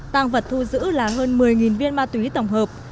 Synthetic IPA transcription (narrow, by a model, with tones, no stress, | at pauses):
t̪aː˧ŋvə˨˩t̚t̪ʰu˧zɨ̰˧˥laː˨˩ɦəː˧nmɨ˨˩əjŋi˨˩nvi˧ənmaː˧t̪wi˨˦t̪ə˨˩wŋ͡mɦəː˨˩p̚